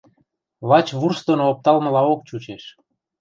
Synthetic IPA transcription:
βɑt͡ɕβurst̪onoop̚t̪ɑlmə̆lɑok̚t͡ɕut͡ɕeʃ

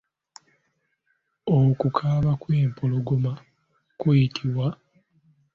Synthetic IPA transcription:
okukʰaːβakweːmpoloɡoma | kwejitʰiwa

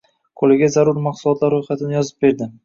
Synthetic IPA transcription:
kʰolɪɡʲazaɾʊɾmaqsʊlˠɒt̪laɾːojχat̪ʰɪnɪjɒzɪp̚be̞ɾd̪ɪm

